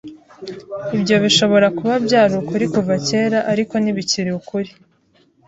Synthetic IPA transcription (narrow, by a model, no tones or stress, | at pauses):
ibɟo̞βiʃo̞βo̞ɾakuβabɟaːɾukuɾikuvace̞ːɾaʔaɾiko̞niβiciɾiukuɾi